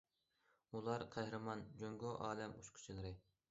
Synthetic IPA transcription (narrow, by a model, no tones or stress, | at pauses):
ulˠɑɾqʰæhɾɨmɑnd͡ʒøŋɡoʔɑːlɛmṵʃqʰʊ̥t͡ʃʰilˠɨɾɨ